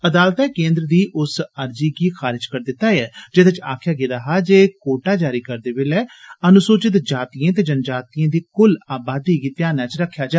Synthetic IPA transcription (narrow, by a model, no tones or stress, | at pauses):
əd̪aːlt̪ɛːkẽːnd̪ɾəd̪iːʔʊsəɾd͡ʒiːɡiːxʰaːɾɪd͡ʒkəɾd̪ɪt̪ːaːjɛːd͡ʒɪd̪et͡ʃa̰ːkʰjaːɡɪd̪aːɦaːd͡ʒeːkoːʈaːd͡ʒaːɾiːkəɾd̪eːʋɪlɛːənʊsoːt͡ʃɪt̪d͡ʒaːt̪ijãːt̪̬eːd͡ʒənd͡ʒaːt̪ijãːd̪iːkʊlaːbaːd̪iːɡiːt̪ɪjaːnaːt͡ʃɾəkʰːjaːd͡ʒaː